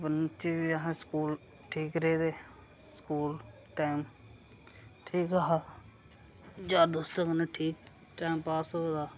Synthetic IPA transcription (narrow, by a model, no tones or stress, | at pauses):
bənt͡ʃeːbiaɦẽskuːl | ʈʰiːkɾeːd̪eː | skuːl | ʈaːm | ʈʰiːkaɦaː | d͡ʒaːd̪oːst̪əkəneʈʰiːk̚ | ʈaːmpaːsoːd̪aː